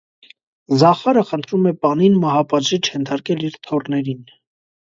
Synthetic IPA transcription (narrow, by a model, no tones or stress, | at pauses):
zɑχɑɾəχənt̪ʰɾumɛpɑninmɑɦɑpɑʒit͡ʃʰhɛnt̪ʰɑɾkɛliɾt̪ʰɔrnɛɾin